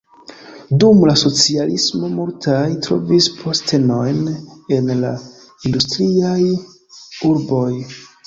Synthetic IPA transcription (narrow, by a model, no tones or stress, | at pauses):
dumlaso̞t͡sialismo̞muɾltʰajtɾo̞̰vispʰo̞ste̞no̞jne̞nla | industɾiaj | uɾbo̞j